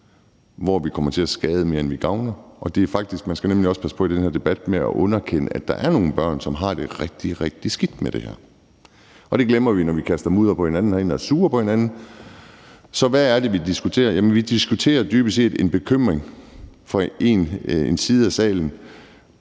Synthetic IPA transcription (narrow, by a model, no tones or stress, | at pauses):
ʋɒʋikʰɒ̽m̰ɐt͡sʰe̝æsɡ̥ɛːð̞ˠəme̝ɐenʋiɡ̥ɑ̈ʊnɐʔɒ̽d̥e̝æɐfɑ̈ɡ̥̚d̥isɡ̥mænsɡ̥ænemliɒ̽sə̥pʰæsə̥pʰɒ̽id̥enhæɐ̰d̥e̝b̥æd̥meæ̰ʔɔ̽nɐkʰen̰əæd̥ɑ̈ʔæɐno̝ːn̩b̥ɶɐ̰nsɒ̽mɦɑ̈d̥e̝ʁɛɡ̥̚d̥iʁɛɡ̥̚d̥isɡ̥id̥med̥e̝hæ̰ɐ̰ | ʔɒ̽ɾ̥e̝ɡ̥lemɐʋinɒʋikʰæsd̥ɐmuːð̞ˠɐpʰɒ̽he̝nænn̩ɒe̝ːnæɐsuːɐpʰɒ̽he̝nænn̩ | sɒ̽ʋæːɐd̥e̝ʋid̥isɡ̥ut͡sʰe̝̰ːɐjæmənʋid̥isɡ̥ut͡sʰe̝̰ːɐd̥yːb̥əse̝̰ːd̥e̝nb̥e̝kʰøm̰ʁeŋfɒ̽e̝̰nensiːð̞̩ˠæsɛ̰ːln̩